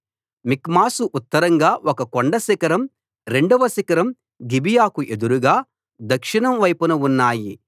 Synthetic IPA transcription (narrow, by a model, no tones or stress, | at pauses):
mikmaːsuʔut̪ːɐɾɐŋɡaːʔɔkɐkoɳɖɐsikɐɾɐm | ɾe̞ɳɖuʋɐsikɐɾɐm | ɡibijaːkuʔe̞d̪uɾuɡaː | d̪ɐkʂiɳɐmʋɐjpunuunːaːji